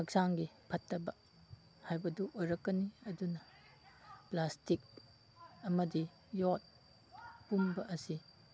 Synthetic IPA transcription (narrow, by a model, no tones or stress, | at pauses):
ɐk̚saŋɡipʰɐtːɐbɐ | hajbɐduʔojɾɐkːɐniɐdunɐ | plastik̚ | ɐmɐdi | jot̚ | pumbɐʔɐsi